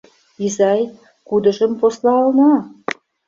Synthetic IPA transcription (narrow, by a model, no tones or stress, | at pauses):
izɑj | kud̪ə̆ʒə̆mposlɑlnɑ